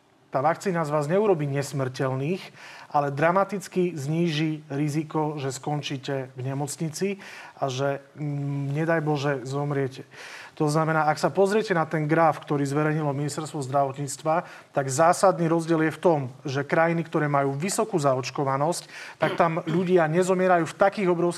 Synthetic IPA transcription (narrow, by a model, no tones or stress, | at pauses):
t̪aːʋakt͡siːnazʋaːzɲɛuɾɔbiːɲɛsmr̩cɛlniːxʔalɛd̪ɾamat̪it͡skizɲiːʒiɾizikɔʒɛskɔnt͡ʃiːcɛvɲɛmɔt͡sɲit͡siʔaʒɛ | ɲɛd̪ajbɔʒɛzɔmɾɪɛcɛt̪ɔznamɛnaːaksapɔzɾɪɛcɛnat̪ɛnɡɾafkt̪ɔɾiːzʋɛɾɛɲilɔminist̪ɛɾst̪ʋɔzd̪ɾaʋɔt̪ɲiːt͡st̪ʋa | t̪aɡzaːsad̪niːɾɔzɟɪɛljɛft̪ɔmʒɛkɾajinikt̪ɔɾɛːmajuːʋisɔkuːzaɔt͡ʃkɔʋanɔsct̪ak̚t̪amʎuɟɪaɲɛzɔmɪɛɾajuːft̪akiːɣɔbɾɔʊs